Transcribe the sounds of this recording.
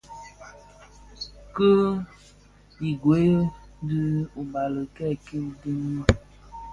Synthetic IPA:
kə˦ | i˨ɡwe˨˦jə˦dɨ˦u˨ba˨lə˨kɛ˦˨ki˦di˦ŋ˦

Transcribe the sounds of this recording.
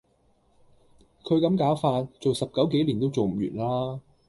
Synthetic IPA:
kʰɵ˨˧ɥkɐ˨˥mkaː˨˥wfaː˧t̚t͡so˨wsɐ˨p̚kɐ˨˥wke˨˥jliː˨˩nt̪o˥wt͡so˨wm̩˨˩jy̰ː˨˩nlaː˥

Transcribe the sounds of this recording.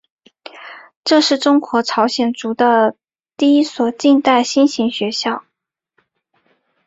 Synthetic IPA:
ʈ͡ʂɤ˥˧ʂɻ̩˥˩ʈ͡ʂʊ˥ŋkwɔ˧˥ʈ͡ʂʰɑ˧˥ʊɕjɛ˨˩nʈ͡ʂu˧˥d̪ə˧ | t̪i˥˩i˥swɔ˨˩t͡ɕi˥˧nt̪a˥˩ɪɕi˥nɕi˧˥ŋɕɥɛ˧˥ɕjɑ˥˩ʊ

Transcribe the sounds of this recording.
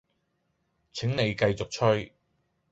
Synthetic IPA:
t͡sʰɪ˨˥ŋne˨˧jkɐ˧jt͡sʊ˨k̚t͡ʃʰɵ˥ɥ

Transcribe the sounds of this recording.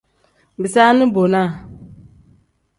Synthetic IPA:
bi˨sa˦nɨ˦bo˨na˦˨

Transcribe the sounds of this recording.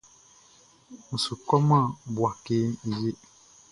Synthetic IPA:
m̩˨su˨kɔ˦mã˦˨bwa˨ke˦ni˨je˦

